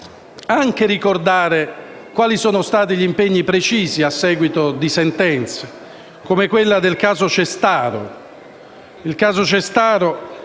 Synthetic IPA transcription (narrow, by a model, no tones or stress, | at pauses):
aŋk̟eɾikord̪aːɾe | kwaːlisɔːnost̪aːt̪̬iʎimpeɲːipɾet͡ʃiːziasːɛːɡwit̪od̪isɛnt̪ɛnt̪se | komekwelːad̪elkaːzot͡ʃest̪aːɾo̰ | ilkaːzot͡ʃest̪aːɾo